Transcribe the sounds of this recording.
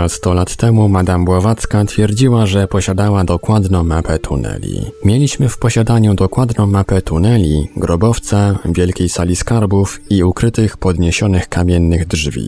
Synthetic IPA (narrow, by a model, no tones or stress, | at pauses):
ast̪ɔlat̪ːɛmumad̪ambwavat̪skat̪fʲjɛɾd͡ʑiwaʐɛpɔɕad̪awad̪ɔkwad̪nɔ̃w̃mapɛt̪ʰṵnɛ̰lʲḭmʲjɛlʲiɕmɘfpɔɕad̪aɲud̪ɔkwad̪nɔ̃w̃mapɛt̪unɛlʲiɡɾɔbɔft̪savʲjɛlkʲejsalʲiskaɾbufiukɾɘt̪ɘxpɔd̪ɲeɕɔnɘxkamʲjɛnːɘɣd̪ʐvʲḭ